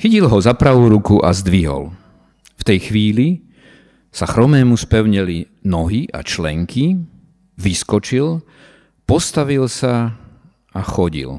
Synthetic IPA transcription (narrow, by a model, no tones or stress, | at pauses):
xicilɦɔzapɾaʋuːɾukuʔa̰zd̪ʋiɦɔ̰l | ft̪ɛjxʋiːli | saxɾɔmɛːmuspɛʊɲɛlinɔɦiʔa̰t͡ʃlɛŋkʰi | ʋiskɔt͡ʃil | pɔst̪aʋilsa | axɔɟḭl